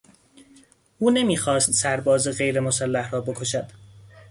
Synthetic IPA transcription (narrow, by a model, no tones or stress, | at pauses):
ʔuːne̞miːxɒːst̪sæɾbɒːzeɣe̞jɾemosælːæhrɒːbe̞kʰo̞ʃæd̪̥